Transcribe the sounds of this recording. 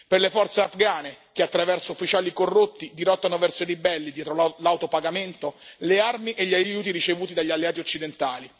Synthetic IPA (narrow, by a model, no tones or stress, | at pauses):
perlefɔrt̪seafɡaːnek̟eat̪ːɾavɛrsoufːit͡ʃaːlikorːot̪ːid̪iɾɔt̪ːanovɛrsoiɾibɛlːid̪jɛːt̪ɾolawt̪opaɡament̪olearmiʔeʎːajuːt̪̬iɾit͡ʃevuːt̪id̪aʎːialːeaːt̪̬iot͡ʃːid̪ent̪aːli